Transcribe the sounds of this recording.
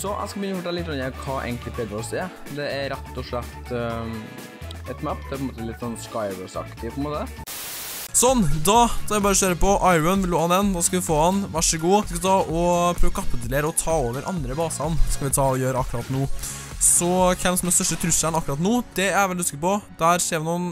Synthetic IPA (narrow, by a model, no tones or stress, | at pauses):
sɔʔæ̰skɑbjʏnəfɔʈʰɛllɪt̪ːɡɾɑnːəkʰɑːʔḛɪŋklɪpʰɛd̪ɔɾɔseːd̪ɛæɾɛt̪ːɔʂɭɛt̪ː | ɛt̪mæpd̪ɛpʰɔɛnmoːt̪əlɪt̪ːsɔnːskaɪbəsɑ̰kt̪ɪpʰɔɛnmoːt̪ə | sɔnːd̪ɑsk̪ɑɾæbɑːɾəɔɕøːɾəpɔʔɑɪʉnʋɪloːhɑnɛnd̪ɑskɑʋɪfoːhɑnʋæʂəɡuːskʋɪt̪ʰɑːʔɔpʰɾøːʋɔkʰɑpːəd̪ɪleːɾɔt̪ʰɑːoːʋəɾʔɑ̰nd̪ɾəbɑːsɑnskɑʋɪt̪ʰɑːɔjøːɾɑkːɾɑt̪nuː | sɔkʰɛnsm̩ɛnst̪œʂʈət̪ʰɾʉsəɳɑkːɾɑt̪nuːd̪ɛæʋɛlɪskɪpɔd̪æːɾseːɾʋɪnuːn